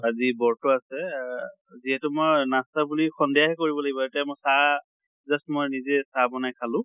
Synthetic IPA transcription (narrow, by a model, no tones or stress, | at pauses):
azibɔɹtɔasɛ | ziɦɛtʊmojnastabulixɔndɛjaɦɛkoɹibɔlaɡibɔetamojsa | zastmojnizɛsabɔnajkʰalʊ̃